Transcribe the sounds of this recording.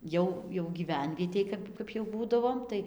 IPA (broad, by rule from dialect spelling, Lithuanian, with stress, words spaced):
ˈjɛʊ jɛʊ ɡʲiːˈʋʲɛnʲʋʲiɛtʲeːj ˈkɐp ˈkɐp jɛʊ ˈbuːdɐʋoːm ˈtɐɪ